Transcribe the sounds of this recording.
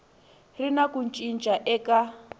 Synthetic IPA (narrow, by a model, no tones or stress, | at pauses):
rinakunt͡ʃʼint͡ʃʼaʔɛka